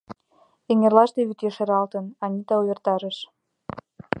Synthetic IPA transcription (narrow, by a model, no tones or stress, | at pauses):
eŋerlɑʃt̪eβyt̪jeʃeɾɑlt̪ənɑnʲit̪ɑujʲĕrt̪ɑɾə̆ʃ